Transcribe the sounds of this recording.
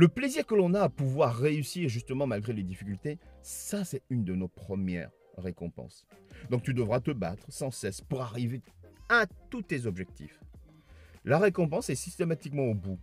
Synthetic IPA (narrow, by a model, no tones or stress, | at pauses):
ləpleziʁkəlɔ̃naːpuvwaʁːeysiʁʒyst̪əmɑ̃malɡʁeled̪ifikʲylt̪esasɛtynd̪ənopχəmjɛ̰ʁː | ekɔ̰̃pɑ̰̃sd̪ɔ̃k̚t̪yd̪əvʁat̪əba̰t̪χsɑ̃sɛspuʁaʁiveat̪ut̪ezɔbʒɛk̚t̪ḭf | laʁekɔ̃pɑ̃sɛsist̪emat̪ikmɑ̃obu